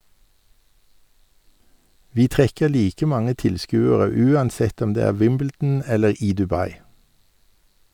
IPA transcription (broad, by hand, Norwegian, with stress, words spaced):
ˈʋiː ˈtʁɛkəʁ ˈliːkə ˈmɑŋə ˈtɪlˌskʉːəʁə ˈʉːɑnˌsɛt ˈɔm ˈdeː ˈæː ˈʋɪmbl̩dn̩ ˈɛləʁ ˈiː dʉˈbɑɪ